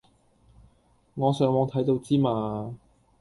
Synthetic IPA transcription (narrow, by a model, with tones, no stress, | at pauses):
ŋɔː˨˧sœː˨ŋwɔː˨˧ŋt̪ʰɐ˨˥jt̪o˧wt͡siː˥maː˨˧